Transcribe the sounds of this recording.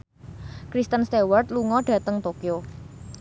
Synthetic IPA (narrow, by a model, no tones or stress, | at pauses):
kɾist̪ənst̪ewart̪̚luŋɔɖ̥ä̤t̪əŋt̪okjo